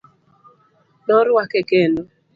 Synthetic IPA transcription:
ɗɔɾwakɛkeno

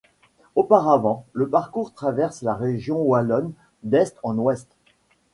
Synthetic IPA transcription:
opaʁavɑ̃ləpaʁkuʁt̪χavɛʁslaʁeʒjɔ̃walɔn | d̪ɛst̪ɑ̃nwɛst̪

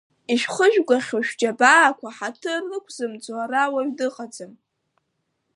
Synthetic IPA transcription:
iʃᶣχəʒᶣɡʷaχʲoʃᶣd͡ʒabaːkʷʰaħatʰɨrlɨkʷʰzɨmd͡zarawaɥdɨqʼad͡zɨm

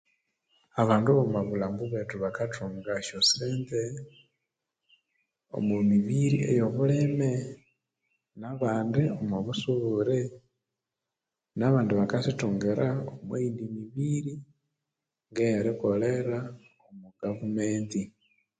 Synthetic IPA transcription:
aβaːnduβomaβulambuβetuβakatʰuːŋɡaʃoseːnde | o̰mwumiβiɾḭḛjoβuleme | naβaːndiomuβusuβuɾe | naβaːndiβakasituːŋɡeɾʔaomweindimiβiɾi | ŋɡejaɾikoleɾa | omuɡavumeːnti

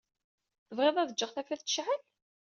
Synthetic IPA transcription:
θəvʁeðˤæðəd͡ʒːəʁθæflæθt͡sːəʃʕəl

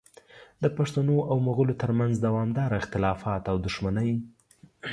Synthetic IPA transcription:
d̪əpaʂt̪anoʔawmuɣəlot̪əɾmanzd̪awɑmd̪ɑɾaɪxt̪ɪlɑfɑt̪awd̪ʊʃmanəj

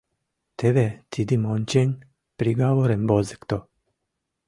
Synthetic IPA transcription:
t̪ʰeʋet̪ʰid̪imonʲt͡ɕeɲʲ | pɾiɡaʋoɾembozekt̪o

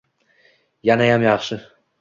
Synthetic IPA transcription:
janajamjɑχʃɪ

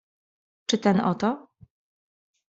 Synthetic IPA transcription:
t͡ʂɘt̪ɛnɔt̪ɔ

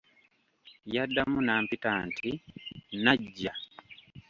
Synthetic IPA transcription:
jadːamunaːmpitaːntʰinaɟːa

